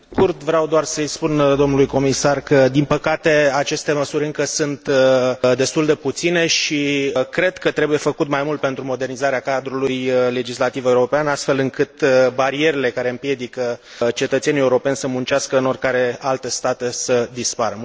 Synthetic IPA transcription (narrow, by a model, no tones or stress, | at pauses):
kurd̪vɾeawd̪oarsəjspund̪o̞mnulujko̞misarkəd̪impəkat̪e̞at͡ʃe̞st̪e̞məsuɾʲɨŋkəsunt̪d̪e̞st̪uld̪e̞put̪sine̞ʃiəkɾe̞d̪kət̪ɾe̞buje̞fəkut̪majmult̪̚pe̞nt̪ɾumo̞d̪e̞rnizaɾeakad̪ɾulujle̞d͡ʒislat̪ive̞uɾo̞peanast̪fe̞lɨŋkɨt̪baɾie̞ɾele̞kaɾe̞ɨmpje̞d̪ikə | t͡ʃe̞t̪ət̪senije̞uɾo̞penʲsəmunt͡ʃeaskəɨno̞rkaɾe̞alt̪e̞st̪at̪e̞səd̪ispaɾə